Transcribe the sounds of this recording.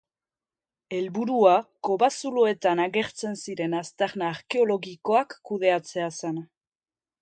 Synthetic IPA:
e̞lβuɾuako̞βasuloe̞t̪anaɣe̞ɾt͡se̞nsiɾe̞nast̪eɾnaːɾke̞o̞lo̞ɣiko̞akːuðe̞at͡se̞asen

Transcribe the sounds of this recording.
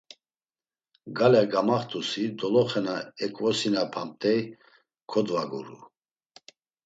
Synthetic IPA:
ɡalɛɡamaχt̪ʼusid̪ɔlɔχɛnaɛkʼvɔsinapʰamt̪ʼɛj | kʰɔd̪vaɡṵɾṵ

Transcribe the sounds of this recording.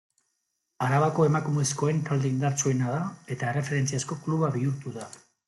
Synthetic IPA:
aɾaβako̞e̞makumesko̞e̞ŋk̪ald̪eind̪aɾt͡sue̞naðae̞t̪aere̞fe̞ɾe̞nt͡siasko̞kluβaβiuɾt̪uða

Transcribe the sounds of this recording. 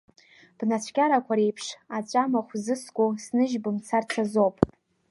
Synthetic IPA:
b̥nat͡ɕʷʰɡʲaɾakʷʰaɾejpʰʂat͡ɕʷʼamaχʷzɨskʷʼusnɨʒbɨmt͡sʰart͡sʰazopʼ

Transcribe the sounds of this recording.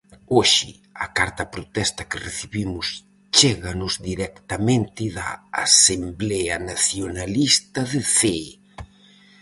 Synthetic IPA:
oʃɪ̰ | ɐkaɾt̪ɐpɾot̪ɛst̪ɐkɪreθiβimʊs | t͡ʃɛɣɐnʊzd̪iɾɛkt̪ɐmẽnt̪ɪðɐ̰a̰semblɛɐnaθjonalist̪ɐðeθe

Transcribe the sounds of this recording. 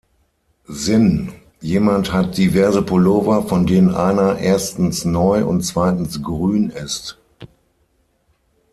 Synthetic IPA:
zɪn | jeːmanthat̚d̥ivɛɐzəpʰoloːvɐfɔndeːnənʔaɪnɐʔeːɐstn̩snɔʏʊ̰ntt͡sv̥aɪtn̩sɡ̥ʁyːnɪst

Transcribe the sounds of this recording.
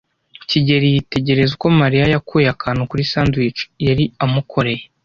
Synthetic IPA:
ciɟe̞ɾijite̞ɟe̞ɾe̞zuko̞maɾijajakujakaːnukuɾisaːnduit͡ʃu̥jaɾiamukʰo̞ɾe̞je

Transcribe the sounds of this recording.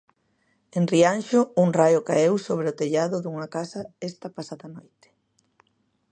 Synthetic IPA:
enrianʃʊuŋrajʊkaewsoβ̞ɾeʊt̪eʎaðʊðuŋakasɐest̪ɐpasaðanojt̪e̥

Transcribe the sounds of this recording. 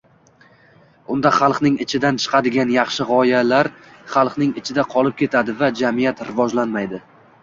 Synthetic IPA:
ʊnd̪aχɑlˠqnɪŋɪt͡ʃʰɪd̪ant͡ʃʰɨ̥qʰɑd̪ɪɡʲanjɑχʃɪʁɒjalaɾ | χɑlˠqnɪŋɪt͡ʃʰɪd̪aqʰɒlˠɪp̚kʲʰe̞t̪ʰad̪ɪvad͡ʒamɪjat̪ɾɪvɒd͡ʒlanmajd̪ɪ

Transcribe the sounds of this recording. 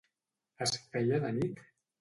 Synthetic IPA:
əsfɛjəðənit̪

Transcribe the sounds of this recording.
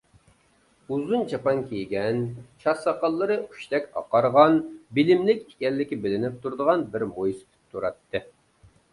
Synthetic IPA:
uzunt͡ʃʰɑpɑŋkʲʰejɡʲɛnt͡ʃʰɑsɑqɑlˠːɨɾɨu̥ʃt̪ɛkʲɑ̰qɑɾʁɑnbɪlɪmlɪkʲe̥kʲɛlːɪkʲɪbɪlɪnɪp̚t̪ʰuɾd̪əʁɑnbɪɾmojsɪ̥t̪ʰɪ̥p̚t̪ʰuɾɑt̪ːɨ

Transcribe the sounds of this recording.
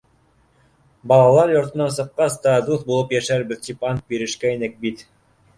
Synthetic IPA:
bɑlˠɑlˠɑɾjŏɾt̪ɤ̆nːɑnsɤ̆qːɑst̪ɑd̪uθbulˠɤpjæʃæɾbɘ̆ðt̪ipɑnt̪̚biɾɘ̆ʃkæinɘk̚bit̪

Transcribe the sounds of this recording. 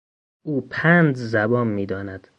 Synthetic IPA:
uːpʰænd͡ʒzæbɒːnmiːd̪ɒːnæd̪̥

